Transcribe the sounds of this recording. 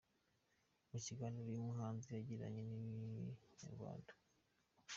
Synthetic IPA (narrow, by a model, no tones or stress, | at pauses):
muciɡanoɾimuɦaːnzijaɟiɾa̰ɲeni | ɲa̰ɾɡwa̰ːndḁ